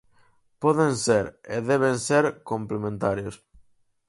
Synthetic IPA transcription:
poðenseɾeðeβ̞enseɾkomplemẽnt̪aɾjos

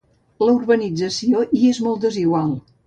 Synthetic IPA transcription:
ləurβənid͡zəsioʔiezmɔlˠt̪̚d̪əziɣwalˠ

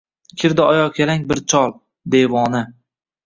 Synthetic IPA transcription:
kʲʰɪɾd̪ɪɒjɒkʲʰelaŋbɪɾt͡ʃʰɒlˠ | d̪evɒnɪ

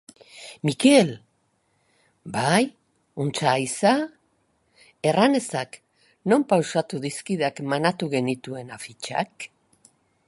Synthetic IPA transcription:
mike̞l | baj | unt͡saisa | e̞rane̞sak | no̞mpawsat̪uðiskiðakmanat̪uɣe̞nit̪ue̞nafit͡ʃa̰k

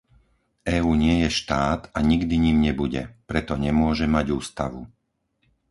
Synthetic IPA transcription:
ʔɛːuːɲɪɛjɛʃt̪aːt̪aɲiɡd̪iɲiːmɲɛbuɟɛ̰pɾɛt̪ɔɲɛmʊɔʒɛmaɟuːst̪aʋṵ

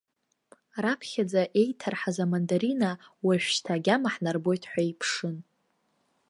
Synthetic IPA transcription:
rapʰχʲad͡zaʔe̞jtʰarħazamandaɾinawaʃᶣʃtʰaːɡʲamaħnarbo̞jtʰħʷaipʰʂɨn

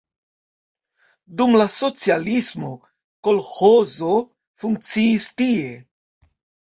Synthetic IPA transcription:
dumlaso̞t͡sialismo̞ | ko̞lxozo̞ | fuŋk̚t͡siːstie̞

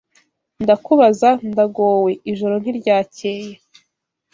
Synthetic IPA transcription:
ndakuβazandaɡoːwe̞iʒo̞ɾo̞n̥iɾɟaːce̞ːje̞

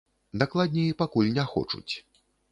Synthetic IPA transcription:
d̪aklˠad̪ʲnʲijipakulʲnʲaxɔ̰t͡ʂṵt͡sʲ

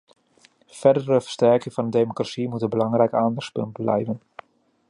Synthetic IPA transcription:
fɛrdəɾəvə̥stɛɹkɪŋvɑndədejmokrasimutənbəlɑŋrɛjkaːndɑxspɵ̰ntblɛ̰jvən

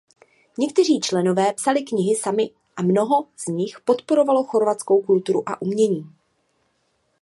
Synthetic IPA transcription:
ɲɛkt̪ɛr̝iːt͡ʃlɛno̞vɛːpsalɪkɲɪɦɪsamɪ | ʔamno̞ɦo̞z̥ɲɪxpo̞t̪po̞ɾo̞valoxo̞ɾvat͡sko̞wkult̪uɾuʔa̰ʔumɲɛɲiː

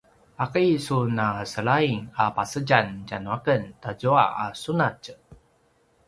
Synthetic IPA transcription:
akəsunasəɭaiŋapasəɟand͡ʒanuakəntaɟua̰ʔasunat͡ʃ

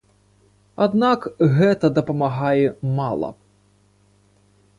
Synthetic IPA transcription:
ad̪nakɣɛt̪ɐd̪ɐpɐmaɦajɛmalˠɐ̰

